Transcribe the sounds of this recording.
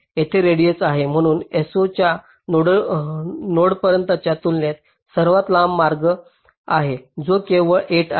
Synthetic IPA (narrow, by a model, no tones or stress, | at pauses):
jet̪ʰeɾeɽijet͡saɦem̤əɽ̃uːnesot͡ɕja | noɽə | noɽpəɾjənt̪at͡ɕjat̪ulnet̪ | səɾʋat̪lamːaɾɡə | aɦed͡zokeʋəɭʔeʈ